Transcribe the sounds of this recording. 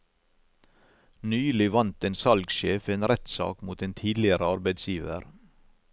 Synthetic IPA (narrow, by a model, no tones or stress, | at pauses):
nyːlɪʋɑnt̪eːnsɑlɡʃeːfeːnɾɛt̪sɑ̰ːkmuːt̪eːnt̪ʰiːd̪lɪəɾəɑɾbæɪd̪sjiːʋə̰ɾ